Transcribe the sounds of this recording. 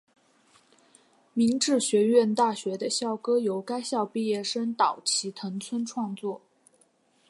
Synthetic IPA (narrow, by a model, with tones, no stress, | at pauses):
mi˧˥ŋʈ͡ʂɻ̩˥˩ɕɥɛ˧˥ɥɛ˥˧nt̪a˥˩ɕɥɛ˧˥d̪ə˧ɕjɑ˥˩ʊkɤ˥jo˧˥ʊka˥ɪɕjɑ˥˧ʊpi˥˧jɛ˥˩ʂə˥nt̪ɑ˨˩ʊt͡ɕʰi˧˥t̪ʰɤ˧˥ŋt͡sʰwə˥nʈ͡ʂʰwɑ˥˧ŋt͡swɔ˥˩